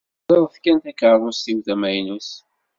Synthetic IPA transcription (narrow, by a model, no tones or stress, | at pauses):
lˤeðˤθkænt̪ækəʕvˤusθiwθæmæjnus